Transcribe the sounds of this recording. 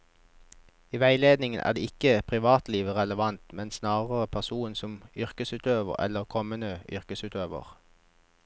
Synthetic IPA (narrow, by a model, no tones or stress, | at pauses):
iːʋæɪleːd̪nɪŋənʔæ̰ːʁd̪eːɪkəpʰʁɪʋɑːt̪liːʋʁɛləʋɑnt̪mɛnsnɑːʁəʁəpʰæʁsuːnsɔmʏʁkəsʉːt̪øːʋə̰ʁɛ̰ləʁkʰɔmənəʏʁkəsʉːt̪øːʋə̰ʁ